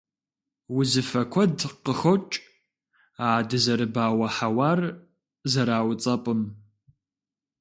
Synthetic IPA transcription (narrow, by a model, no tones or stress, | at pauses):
wʊzɨfɐkʷʰɔdqəxɐt͡ʃʼ | aːdɨzɐɾɨbaːwɐħawaːr | zɐɾaːwt͡sʼɐpʼɨm